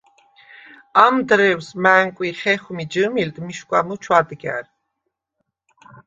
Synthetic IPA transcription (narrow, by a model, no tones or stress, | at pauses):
amd̪ɾɛwsmæŋkʼwiχɛχumid͡ʒɨmild̪miʃkʷʼa̰mut͡ʃʰwad̪ɡæ̰ɾ